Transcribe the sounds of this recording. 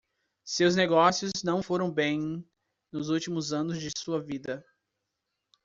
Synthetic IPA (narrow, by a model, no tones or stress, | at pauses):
sewzneɡɔsiʊznɐ̃w̃foɾɐ̃w̃bẽj̃ | nʊzuwt͡ʃimʊzɐ̃nʊzd͡ʒɪsuɐvid̪ɐ